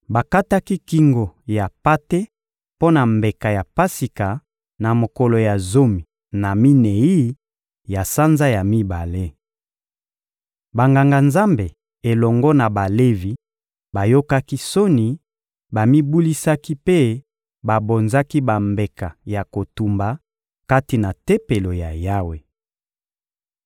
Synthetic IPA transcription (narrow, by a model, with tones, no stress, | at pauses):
ba˨ka˦ta˦ki˦ki˦ŋɡo˨ja˨pa˦te˦ | po˦na˨mbe˨ka˨ja˨pa˦si˨ka˨ | na˨mo˨ko˨lo˨ja˨zo˦mi˨ | na˨mi˦ne˨i˦ | ja˨sa˦nza˦ja˨mi˦ba˨le˦ | ba˨ŋɡa˨ŋɡa˨nza˦mbe˨ | e˨lɔ˨ŋɡɔ˦na˨ba˨le˦vi˨ | ba˨jo˦ka˦ki˦so˦ni˨ | ba˨mi˦bu˦li˦sa˦ki˦pe˦ | ba˨bo˨nza˦ki˦ba˨mbe˨ka˨ja˨ko˨tu˨mba˨ | ka˦ti˨na˨te˦pe˨lo˨ja˨ja˦we˨